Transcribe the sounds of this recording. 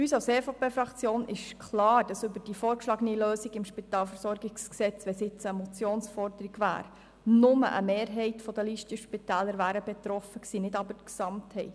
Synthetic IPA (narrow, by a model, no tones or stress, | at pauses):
yːsaʊseːfopeːfɾɑkt͡sjoːnɪʃkʰlɑːɾd̥ɑsʏbəɾd̥ifoːɾʃlɑːɡniløːsiɡɪmʃpit̪ɑːlfəɾsɔɾɡɪɡsksɛt͡sʋɛsɪt͡səmɔt͡sjoːnsfɔrdəɾiɡvæ̰ːɾ | nʊmə̰ʔə̰meːɾɦɛɪtfɔd̥əliʃtəʃpitæːləɾvæːɾəbɛt̪ɾɔfəksiːnɪdɑbəksɑmthɛɪt